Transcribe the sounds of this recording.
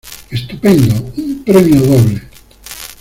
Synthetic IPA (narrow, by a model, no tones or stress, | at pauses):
est̪upẽnd̪oumpɾemjoðoβle